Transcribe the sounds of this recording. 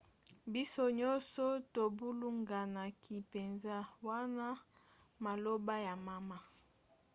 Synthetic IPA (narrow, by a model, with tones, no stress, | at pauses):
bi˦so˦ɲɔ˦nsɔ˦to˨bu˦lu˦ŋɡa˨na˨kʰi˨pe˨nza˦wa˦na˦ | ma˨lo˦ba˦ja˨ma˨ma˦